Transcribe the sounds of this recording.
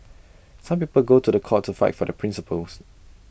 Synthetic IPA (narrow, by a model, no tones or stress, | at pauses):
sãmpiːpəlɡotudəkʰɔtʰːufaɪtfɔdəpʰɹĩnsəpəls